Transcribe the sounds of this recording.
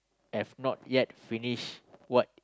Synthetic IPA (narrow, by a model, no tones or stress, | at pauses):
hɛvnɔt̚jɛt̚finiʃwɔt̚